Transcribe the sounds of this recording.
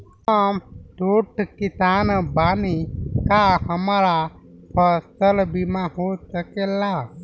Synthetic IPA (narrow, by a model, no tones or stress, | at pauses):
hamʈ̪oːʈkit̪aːnbaːnikahəmaɾa | pʰəst̪əlbimãɦoːsəkela